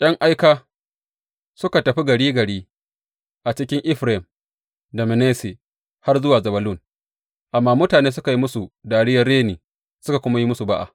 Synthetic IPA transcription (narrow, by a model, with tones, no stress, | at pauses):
j̰ʲʼɐ˦ŋʔa˦jkaː˦ | sʊ˦ka˨tɐ˨ɸi˦ɡɐ˨ɽiː˦ɡɐ˨ɽiː˦ | ʔa˨t͡ʃɪ˦kʲɪ˦ŋʔɪ˦ɸɾe˨m | da˨mɪ˨neː˦se˨ | ha˦rzʊ˦waː˨zɐ˨bɐ˨lʊ˦˨n | ʔa˨mːaː˦mʊ˦taː˨neː˦s̬ʊ˦ka˨ji˦mʊ˦su˨daː˨ɽɪ˦jɐ˨rːeː˦niː˨ | sʊ˦ka˨kʷʊ˦ma˦ji˦mʊ˦su˨ba˦ʔa̰˨